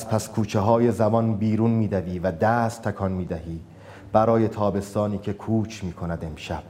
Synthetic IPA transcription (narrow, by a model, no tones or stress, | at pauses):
spʰæskʰuːt͡ʃʰeɦɒːje̞zæbɒnbiːɾunmiːd̪æviːvæd̪æːst̪ʰːækʰɒːnmiːd̪æɦiː | b̥æɾɒːje̞t̪ʰɒːbe̞st̪ɒːniːcʰe̞kʰuːt͡ʃʰmiːkʰo̞næd̪e̞mʃæb̥̚